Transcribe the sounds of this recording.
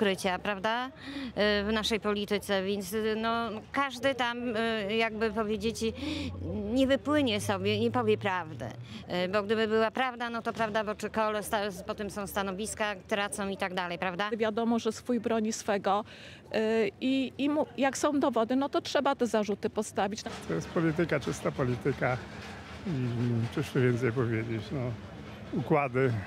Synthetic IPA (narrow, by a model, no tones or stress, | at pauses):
kɾɘt͡ɕapɾavd̪a | vnaʂɛjpɔlʲit̪ɘt̪sɛvʲjɛnt̪snɔkaʐd̪ɘt̪amjaɡ̚bɘpɔvʲjed͡ʑet͡ɕ | ɲɛvɘpwɘɲɛsɔbʲjɛɲɛpɔvʲjɛpɾavd̪ɛ̰bɔɡd̪ɘbɘbɘwapɾavd̪anɔt̪ɔpɾavd̪abɔt͡ʂɘkɔlɛst̪apɔt̪ɛmsɔ̃w̃st̪anɔvʲiskat̪ɾat̪sɔ̃w̃it̪aɡd̪alɛjpɾavd̪avʲjad̪ɔmɔʐɛsfujbɾɔɲisfɛɡɔ | iːmujaksɔ̃w̃d̪ɔvɔd̪ɘnɔt̪ɔtʂɛbat̪ɛzaʐut̪ɘpɔst̪avʲit͡ɕnt̪ʰɔjɛst̪̚pɔlʲit̪ɘkat͡ʂɘst̪apɔlʲit̪ɘka | ipʂɘʂɛvʲjɛnt̪sɛjpɔvʲjed͡ʑet͡ɕnɔ | ukwad̪ɘ